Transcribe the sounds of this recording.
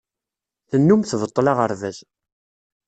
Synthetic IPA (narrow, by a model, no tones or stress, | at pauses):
θənːumθvət̪ˤːlɑʁəɾvæz